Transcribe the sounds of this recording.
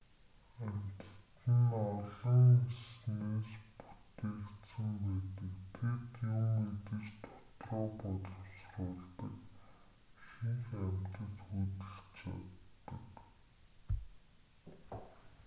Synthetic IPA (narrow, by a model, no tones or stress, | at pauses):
æm̥ʲt̪̆t̪ɘ̆nɔɮɞ̆ŋesneːspu̥t̪eːkt̪sə̆mpæːt̪ɘ̆kt̪ʰet̪jʊmet̪ɘ̆t͡ɕt̪ʰʊ̥t̪rɔːpɔɮɞ̆wsrʊːɮt̪ə̆k | ʃiŋxæm̥ʲt̪ə̆t͡ɕxut̪ɘ̆ɬt͡ɕʰa̰t̪ːə̆k